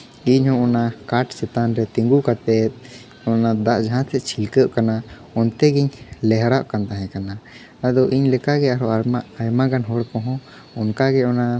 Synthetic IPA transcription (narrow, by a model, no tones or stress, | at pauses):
iɲhɔ̃ɔnakaʈsɛt̪anɾɛt̪iŋɡukat̪ɛt̪̚ˀ | ɔnad̪aʔd͡ʒaɦãt̪ʰɛʔ̪t͡ʃʰilkəʔkana | ɔnt̪ɛɡiɲlɛɦɾaʔkant̪aɦɛ̃kana | ad̪ɔʔiɲlɛkaɡɛaɾɔʔaaajmaɡanɦɔɽpɔ̃ɦɔ̃ | ɔnkaɡɛɔna